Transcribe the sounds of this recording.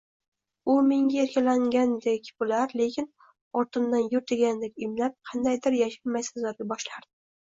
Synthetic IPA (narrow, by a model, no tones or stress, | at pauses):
ʊmɪŋɡʲaeɾkʲʰalaŋɡʲand̪ekʲbʊlaɾlekʲʰɪn | ɒɾt̪ʰɨnd̪anjʊɾt̪ʰeɡʲand̪ekʲɪmlap̚qʰɑnd̪ajd̪ɪɾjaʃɪlmajsɪzlaɾɡʲabɒʃlaɾd̪̥ɪ